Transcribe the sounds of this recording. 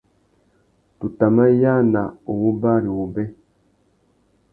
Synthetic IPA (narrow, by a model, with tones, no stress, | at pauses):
tu˨ta˨ma˦ja˦na˨o˨wu˦ba˦˨ɾi˨wu˨bɛ˦